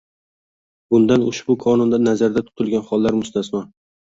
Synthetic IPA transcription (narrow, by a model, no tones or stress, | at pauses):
bʊnd̪anʊʃbʊkʰɒnʊnd̪anazaɾd̪at̪ʰʊ̥t̪ʰɪlˠɡʲanχɒlˠːaɾmʊst̪ʰasman